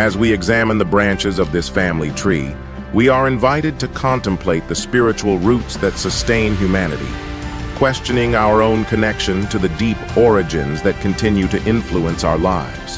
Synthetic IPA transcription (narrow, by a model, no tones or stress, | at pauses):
ɨzwiɨɡzæmə̃nðəbɹæ̃nt͡ʃɨzʌvðɪsfæ̃mlitʰɹ̥ḭ | wiə˞ɨ̃ɱvaɪɾɨd̚tɨkʰɑ̃ntɨ̃mpʰleɪt̪̚ðɨspɪɹɨt͡ʃul̩ˠɹutsðɨtsɨstẽɪ̃nɦjʉmænɨɾḭkʰw̥ɛst͡ʃɨnɪ̃ŋaʊə˞õʊ̃nkʰɨnɛkʃɨ̃ntʰɨðɨdipɔɹɨd͡ʒɨ̰̃nzðɨt̚kʰɨ̃n̩tʰɪ̃njʉɾɨʔɪ̃ɱfluə̃nsaʊə˞laɪvz̥